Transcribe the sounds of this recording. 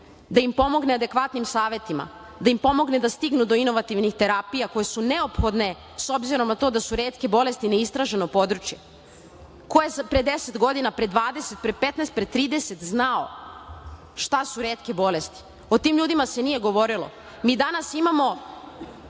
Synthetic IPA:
d̪aimpo̞mo̞ɡnead̪e̞kʋat̪nimsaːʋje̞t̪ima̰ | d̪aimpo̞mo̞ɡne̞d̪ast̪iɡnud̪o̞ino̞ʋat̪iʋnixt̪e̞ɾapijako̞jesune̞o̞pxo̞d̪ne̞ | so̞bziɾo̞mnat̪o̞ːd̪asuɾe̞ːt̪ke̞bo̞le̞st̪ine̞ist̪ɾaʒe̞no̞po̞d̪ɾut͡ʃje̞ | kojezpɾed̪eset̪ɡo̞d̪inapɾe̞d̪ʋaːd̪e̞se̞t̪̚pɾepe̞t̪nest̪̚pɾet̪ːɾiːd̪ese̞t̪znao̰ | ʃt̪asuɾe̞ːt̪ke̞bo̞le̞st̪i̥ | o̞t̪iːmʎuːd̪imase̞nije̞ɡo̞ʋo̞ɾilˠo̰ | miːd̪anasimamo̞

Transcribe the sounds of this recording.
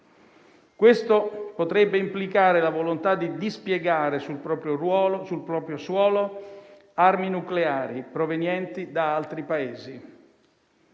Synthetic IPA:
kwest̪opot̪ɾɛbːeimplikaːɾelavolont̪ad̪id̪ispjeɡaːɾesulpɾɔːpɾjoɾwɔːlosulpɾɔːpɾjoswɔːlo | arminukleaːɾipɾovenjɛnt̪id̪aalt̪ɾipaeːzi

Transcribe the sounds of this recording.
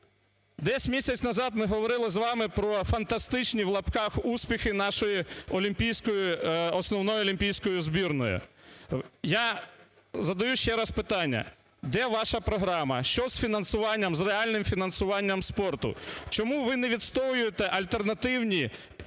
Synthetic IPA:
d̪ɛsʲmʲisʲɐt͡sʲnɐzɑd̪mɪɦɔʋɔɾɪlˠɪzʋɑmɪpɾɔfɐnt̪ɐst̪ɪt͡ʃnʲiwlˠɐpkɑxusʲpʲixɪnɑʃɔjiɔlʲimʲpʲijsʲkɔjiɔsnɔwnɔjʊɔlʲimʲpʲijsʲkɔjʊzbʲirnɔjʊ̰ | ja | zɐd̪ɐjuʃt͡ʃɛɾɐspɪt̪ɑnʲːɐ̰ | d̪ɛʋɑʃɐpɾɔɦɾɑmɐ̰ʃt͡ʃɔz̥fʲinɐnsʊʋɑnʲːɐmzreɑlʲnɪmfʲinɐnsʊʋɑnʲːɐmspɔrt̪ʊ̰t͡ʃɔmuʋɪnɛʋʲid̪st̪ɔjʊjet̪ɛʔɐlʲt̪ernɐt̪ɪwnʲi

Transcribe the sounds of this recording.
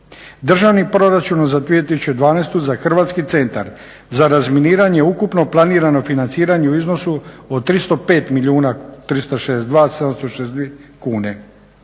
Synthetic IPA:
d̪r̩ʒaʋnipɾo̞ɾat͡ʃunozad̪ʋiet̪isu̥t͡ʃud̪ʋaːnest̪uzaxr̩ʋaːt̪skit̪se̞nt̪a̰ɾ | zaɾazminiːɾaɲe̞ukupno̞plˠaniːɾano̞finantsiːɾaɲe̞uizno̞suot̪ɾist̪o̞pe̞ːt̪milʲiuːnat̪ɾist̪oʃeesd̪ʋaːsed̪amst̪oʃesd̪ikuːne̞

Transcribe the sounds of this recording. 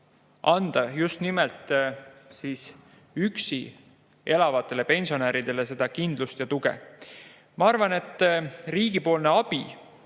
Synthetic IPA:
ʔɑnd̪̥ɑjust̪nimelt̪ˑsiːs | yksi | ʔe̞lɑvɑt̪ːˑe̞le̞pe̞nsio̞næːɾid̪̥e̞le̞se̞d̪ɑkind̪̥lust̪jɑt̪uɡ̥e̞̰ | mɑɑrvɑne̞t̪ːˑriːɡ̥ipo̞ːlne̞ɑb̥ḭ

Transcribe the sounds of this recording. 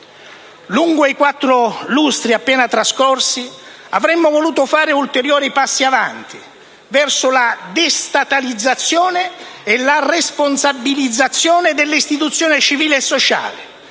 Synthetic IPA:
luŋɡoikwat̪ːɾʊlust̪ɾiapːɛːnat̪ɾaskɔrsi | a̰vɾɛmːʊvoluːt̪ʊfaːɾɪult̪eɾjɔːɾipasːiavant̪i | vɛrsʊlad̪est̪at̪alid̪zːat̪sːjɔːnɪːlaresponsabːilid̪zːat̪sːjoːnɪd̪elːist̪it̪ut̪sːjɔːnɪt͡ʃiviːleːsːot͡ʃa̰ːlɪ

